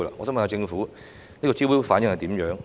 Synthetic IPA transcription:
la̰ː˧ŋɔ̰ː˧sɔː˨˥mɐ˨nha˧wt͡sɪ˧ŋfuː˨˥ | niː˥kɔː˧t͡siː˥wiː˥faː˨˥njɪ˧ŋhɐ˨jt̪i˨˥mjœː˨˥ŋ

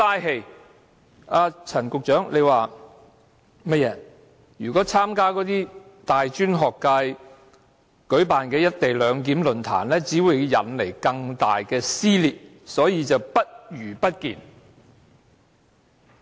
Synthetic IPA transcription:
t̪aː˥jɦe˧j | aː˧t͡sʰɐ˨˩nkʊ˨k̚t͡ʃœː˨˥ŋle˨˧jwaː˨ | mɐ˥t̚jɛː˨˧ | jyː˨˩kɔː˨˥t͡sʰaː˥mkaː˥kɔː˨˥t̪iː˥t̪aː˨jt͡ʃyː˥nɦɔː˨˩kːaː˧j | kɵ˨˥paː˨nkɛː˧jɐ˥t̚t̪e˨˩jlœː˨˧ŋk̬iː˨˥mlɵ˨nt̪ʰa̰ː˨˩nlɛː˥t͡siː˨˥wu˨˧jjɐ̰˨nle˨˩jkɐ˧ŋt̪a̰ː˨jkɛː˧siː˥liː˨t̚ | sɔː˨˥jiː˨˧t͡sɐ˨wpɐ˥t̚jyː˨˩pɐ˥t̚kḭː˨˩n

